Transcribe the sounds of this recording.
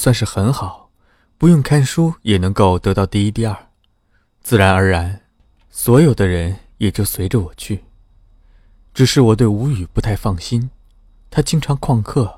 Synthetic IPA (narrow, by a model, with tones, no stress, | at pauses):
swa˥˧nʂɻ̩˥˩xə˧˥nxɑ˨˩˦ʊ | pu˧˥jʊ˥˩ŋkʰa˥nʂu˥jɛ˨˩nɤ˧˥ŋko˥˩ʊt̪ɤ˧˥t̪ɑ˥˧ʊt̪i˥˧i˥t̪i˥˧ɐə˞˥˩ | t͡sɹ̩˥˩ɻa˧˥nə˞˧˥ɻa˧˥n | swɔ˧˥jo˨˩ʊd̪ə˦ɻə˧˥njɛ˨˩t͡ɕjo˥˩ʊswe˧˥ɪʈ͡ʂə˧wɔ˨˩t͡ɕʰy˥˩ | ʈ͡ʂɻ̩˨˩ʂɻ̩˥˩wɔ˨˩t̪̬we˥˩ɪu˧˥y˨˩pu˧˥t̪ʰa˥˧ɪfɑ˥˩ŋɕi˥n | t̪ʰa˥t͡ɕi˥ŋʈ͡ʂʰɑ˧˥ŋkʰwɑ˥˧ŋkʰɤ˥˩